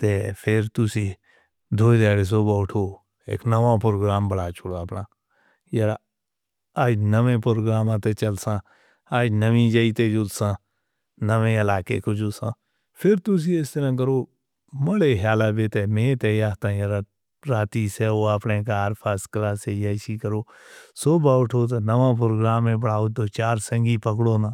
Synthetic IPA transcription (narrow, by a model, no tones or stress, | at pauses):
t̪epʰɪɾt̪ʊsi | d̪ʱoːd̪ɛːɽes̬obɔːʈʰo | ḛːknəʋãpɾoːɡɾaːmbəɽaːt͡ʃʰʊɽapnãː | jəɾa | aːd͡ʒnəʋẽpɾoːɡɾaːmãt̪et͡ʃəlsã | aːd͡ʒnəʋĩd͡ʒəit̪ed͡ʒʊlsãː | nəʋẽɪlaːkekod͡ʒʊsãː | pʰɪɾt̪ʊs̬iɪst̪əɾãk̬əɾoː | məɽeɦjaːlabet̪emẽːt̪ejaːt̪ãːjəɾa | ɾaːt̪isɛoapnẽk̬aaːɾpʰaːskəɾaːsejəʃikəɾoː | soːbaːwʈʰoːt̪̬ːnəʋãp̬ɾoːɡɾaːmːẽbəɽaːot̪ot͡ʃaːɾsə̃ŋɡipəkɽoːnãː